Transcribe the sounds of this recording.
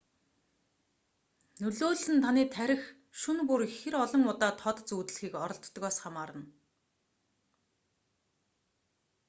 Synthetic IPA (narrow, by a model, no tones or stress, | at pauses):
nɵɮoːɮɘ̆nt̪ʰaniːt̪ʰæɾʲɪ̆x | ʃɵnpurxeɾɔɮɞ̆ŋʊt̪aːt̪ʰɔt̪̆t͡suːt̪ɮxiːkɔɾɞ̆ɬt̪ːɣɔːsχamaːɾə̆n